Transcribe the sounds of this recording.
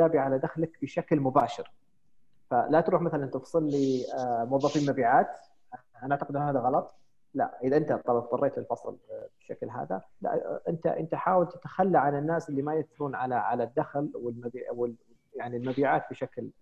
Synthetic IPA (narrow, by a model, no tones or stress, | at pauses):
aːbiʕalad̪axlakbɪʃaklmʊbaːʃɪɾ | falat̪ɾuːħmaθalanʔnt̪afsˤɨlːimʊwɑðˤːɑfiːlmabiːʕaːt̪ | ʔaʔaʕt̪aqɪd̪ʔɪnːhaːðaɣɑlɑt̪ˤ | la̰ʔɪðaʔɪnt̪at̪ˤːɑlɑb̪̚ˤqɑrˤːeːt̪lɪlfɑsˤlbɪʃa̰klɦa̰ːða̰la̰ʔʔɪnt̪a̰ʔɪnt̪aħaːwalt̪ɪ̥t̪ḁxalːaʕanɪnːaːsʔɪlːimajad̪θɾuːnʕalaʕa̰lad̪ːaxlwɪlmabiːwɪ | jaʕnilmabiːʕaːt̪̚bɪʃakl